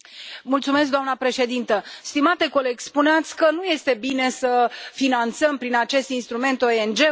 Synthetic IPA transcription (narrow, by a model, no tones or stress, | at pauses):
mult̪sumes̬k̚d̪oamnəpɾe̞ʃe̞d̪int̪əst̪imat̪e̞ko̞le̞ɡʲspuneat̪sʲkənuje̞st̪e̞bine̞səfinant̪səmpɾinat͡ʃe̞st̪inst̪ɾume̞nt̪o̞end͡ʒe̞